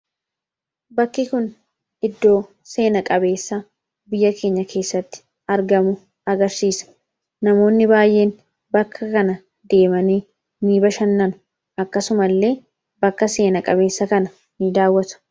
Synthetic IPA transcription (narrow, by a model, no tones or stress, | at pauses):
bɐkːɪkʊn | ɪd̪ːo̞ː | se̞ːnɐkʼɐbe̞ːsːɐ | bɪjːɐkʰe̞ːɲːɐkʰe̞ːsːɐt̪ːɪ̥ | ɐɾɡɐmʊ | ɐɡɐɾsiːsɐ̥ | nɐmo̞ːnːɪbaːjʔe̞ːn | bɐkʰːɐkɐnɐ | d̪e̞ːmɐniː | niːbɐʃɐnːɐnʊ̥ | ɐkːɐsʊmɐlːe̞ː | bɐkːɐse̞ːnɐkʼɐbe̞ːsːɐkɐnɐ | nid̪aːwːɐt̪ʊ̥